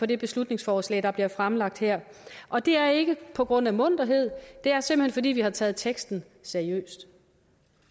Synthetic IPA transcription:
ɒ̽de̝b̥e̝slud̥ne̝ŋsfɒːslɛ̰ːd̥ɑ̈b̥liɐfʁamlɑ̈ɡ̥̚d̥heɐ̰ | ʔɒ̽d̥e̝æɐe̝ɡ̥əpʰɒ̽ɡ̥ʁɔ̽n̰æmɔ̽n̰d̥ɐɦe̝ð̞̰ˠd̥e̝æɐsemb̥lhenfɒ̽d̥ḭːʋihɑ̈t͡sʰɛːð̩ˠt͡sʰeɡ̥sd̥n̩ | sæɐiø̰ːsd̥

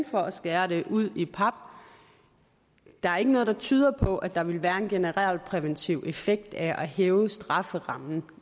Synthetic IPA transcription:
fɒ̽ʔæsɡ̥ɛːɐɾ̥e̝ʔuð̰ˠipʰɑ̈b̥̚ | d̥ɑ̈æɐe̝ɡənɔ̽ð̥ˠɑ̈t͡sʰyːð̞ˠɐpʰɒ̽ʔæd̥ɑ̈ʋe̝lʋæːɐe̝nɡ̥e̝nəʁɑl̰̥̚pʰʁɛʋənt͡sʰiʊ̰ʔe̝feɡ̥̚d̥æʔæɦeːʊəsd̥ʁɑ̈fəʁɑ̈mn̩

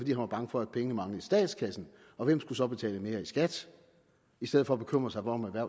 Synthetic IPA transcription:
d̥ḭːhænʋɑ̈b̥ɑ̈ŋəfɒ̽æd̥̚pʰeŋənəmɑ̈ŋləisd̥ɛ̰ːd̥skʰæsn̩ | ɒ̽ʋem̰sɡ̥usɒ̽b̥e̝t͡sʰɛ̰ːləme̝ːɐisɡ̥æd̥ | isd̥eð̩̰ˠfɒ̽ːb̥e̝kʰøm̰ʁɐsɑ̈ɪfɒɒmæʋæɐ̰

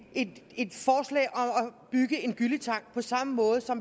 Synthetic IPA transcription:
ede̝d̥fɒːslɛ̰ɪʔɒ̽mɒb̥yɡ̥əe̝nɡ̥ylit͡sʰɑ̈ŋ̰ɡ̥̚pʰɒ̽sɑ̈məmɔ̽ːð̞̩ˠsɒ̽m

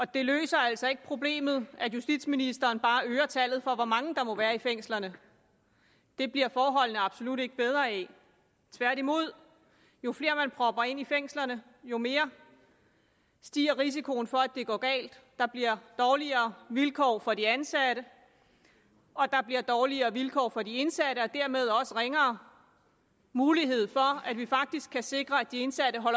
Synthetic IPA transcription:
ɒ̽d̥e̝lø̰ːsɐæl̰sɒ̽e̝ɡ̥ə̥pʰʁo̝b̥le̝̰ːmð̞̩ˠæjusd̥id̥sminisd̥ɐːnb̥ɑ̈ːøːɐt͡sʰæl̰ð̩ˠfɒ̽ʋɒmɑ̈ŋd̥ɑ̈mɒ̽ʋæːɐifeŋ̰slɐnə | d̥e̝b̥liɐfɒːɦɒ̽l̰nəɑ̈b̥so̝luɾ̥e̝ɡ̥əb̥eð̞ˠʁɐːɛ | t͡sʰʋæɐ̰ɾ̥imo̝ð̞̰ˠ | jo̝fle̝ːɐmænpʰʁɒ̽b̥ɐe̝n̰ifeŋ̰slɐnə | jo̝me̝ːɐ | sd̥ḭːɐʁis̬ikʰo̝ːn̩fɒ̽æd̥e̝ɡ̥ɒ̰ːɡ̥ɛ̰ːld̥ːɑ̈b̥liɐ̰d̥ɒːliɐːʋilkʰɒ̰ːfɒ̽diænsæɾ̥ə | ɒ̽d̥ɑ̈b̥liɐd̥ɒːliɐːʋilkʰɒ̰ːfɒ̽die̝nsæɾ̥əɒ̽d̥æɐ̰me̝ð̞ˠɒ̽səʁeŋɐː | muːliɦe̝ð̞̰ˠfɒ̽æd̥ʋifɑ̈ɡ̥̚d̥isɡ̥kʰːæse̝ɡ̥ʁɐæd̥ie̝nsæɾ̥əɦɒ̽l

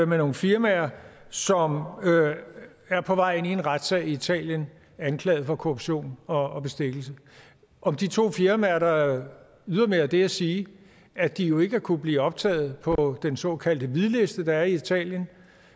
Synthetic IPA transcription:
meno̝ːn̩fiɐmæɐsɒ̽m | æɐpʰɒ̽ʋɑ̈ɪ̰e̝nie̝nʁɑd̥sɛ̰ːɪiit͡sʰɛ̰ːljən | ænkʰlɛ̰ːð̩ˠfɒ̽kʰo̝ʁoub̥ɕo̝̰ːnɒ̽ːb̥e̝sd̥e̝ɡ̥l̩sə | ʔɒ̽md̥it͡sʰo̝̰ːfiɐmæɐɐɾ̥ɑ | yðˠɐmeæɐd̥e̝æsiː | æd̥ijo̝e̝ɡ̥əæɐkʰub̥liːɒ̽b̥̚t͡sʰɛ̰ːð̞̩ˠpʰɒ̽d̥ensɒ̰̽kʰæl̰d̥əʋiðˠle̝sd̥əd̥ɑ̈æɐiit͡sʰɛ̰ːljən

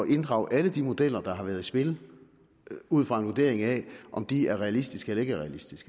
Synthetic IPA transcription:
ɒʔe̝nd̥ʁɑ̈ʊʔæləd̥imo̝d̥el̰ɐd̥ɑ̈ɦɑ̈ʋæːɐð̞ˠisb̥e̝l | uð̰ˠfʁɑ̈e̝nʋud̥e̝̰ɐ̰e̝ŋɛʔɒ̽md̥iæɐʁɛælisd̥isɡ̥əelɐe̝ɡ̥əæɐʁɛælisd̥isɡ̥ə

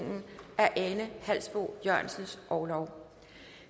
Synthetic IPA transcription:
ŋn̩ʔæɐʔenəhæl̰sb̥o̝̰jɶɐ̰nsn̩sʔɒʊlɒʊ

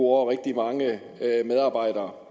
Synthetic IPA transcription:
ɒʁɛɡ̥̚d̥imɑ̈ŋə | með̞ˠɑ̈ːb̥ɑ̈ɪ̰ɾ̥ɐː

